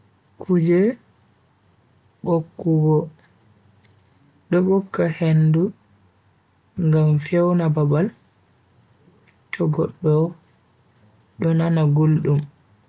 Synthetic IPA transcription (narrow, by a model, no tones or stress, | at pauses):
kʰud͡ʒɛ | ɓokːuɡɔ | ɗɔɓɔkːahendu | ŋɡamfɛwnababal | t͡ʃɔɡɔɗːɔ | ɗɔnanaɡolɗum